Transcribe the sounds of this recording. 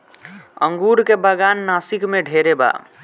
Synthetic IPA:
ə̰ŋɡuɾkebəɡanːasikmeɖʱeɾeba̰

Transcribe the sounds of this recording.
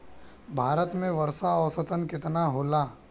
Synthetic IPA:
bʱaːɾət̪mẽʋɐɾsaɔːsət̪ənkɪt̪naɦoːlaː

